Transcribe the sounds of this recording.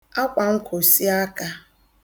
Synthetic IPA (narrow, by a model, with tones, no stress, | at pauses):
a˦kʷa˨ŋ̩˦kʰo˨si˦a˦ka˦